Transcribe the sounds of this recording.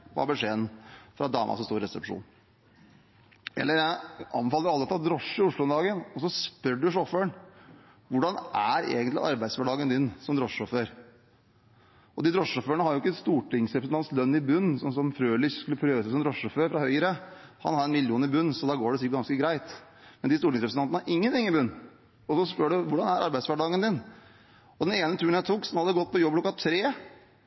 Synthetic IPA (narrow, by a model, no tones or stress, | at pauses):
ʋɑ̰bəʂeːənfɾɑd̪ɑ̰ːmʔɑ̰sɔst̪uːɾɾɛsɛpʂṵːn | ɛ̰lːəɾjæɪʔɑ̰mbəfɑːlːəɾɑlːət̪ʰɪlɔd̪ɾɔʂːəʊʂlʊnd̪ɑːɡənɔsɔspœɖʉʂɔføɳ | ʋʊɖɑnʔæɾḛːɡənt̪lɪ̰ʔɑ̰ɾbæɪd̪sʋæɖɑːɡənd̪ʏnːsɔmd̪ɾɔʂɔføɾ | ɔd̪ɪd̪ɾɔʂɔføːɳəhɑɾjʊɪkːəst̪uːʈɪŋsɾɛpɾsənɑnt̪slœnːɪbʉnːsɔmsɔmfɾøːlɪçskʉlːəpʰɾøːʋəsæsɔmd̪ɾɔʂɔføɾfɾɑhœʏəɾə | hɑ̰nhɑɾɛnmɪljuːnɪbʉnːsɔd̪ɑɡoːɖɛsɪɡɑnskəɡɾæɪt̪ | mɛnd̪ɪst̪uːʈɪŋsɾɛpɾsəɑnnɑʔɪŋːənt̪ɪŋːɪbʉnː | ɔsɔspøɖʉʋʊɖɑnæɾɑ̰ɾbæɪd̪sʋæɖɑːɡənd̪ɪn | ɔd̪ɛneːnət̪ʰʉːɾɳnjæɪt̪ʰuːksɔmhɑd̪d̪ɛɡɔt̪̚ːpɔjɔbːklkːɑt̪ʰɾeː